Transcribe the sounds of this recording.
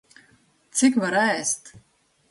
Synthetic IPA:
t̪sɪkvaɾæːst̪

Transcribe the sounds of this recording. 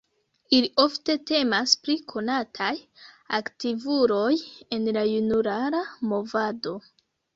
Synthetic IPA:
iliʔo̞fte̞te̞maspɾikʰo̞natʰaj | aktivuɾo̞je̞nlajunuɾaɾamo̞vado̞

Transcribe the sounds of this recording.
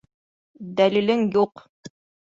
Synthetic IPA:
d̪ælilɘŋjuq

